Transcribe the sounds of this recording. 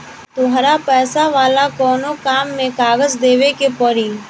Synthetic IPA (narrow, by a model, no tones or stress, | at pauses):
t̪ʊɦɾapɛːsaʋaːlakɔːnokaːmːẽkaːɡəd͡ʒd̪eːʋekepəɾiː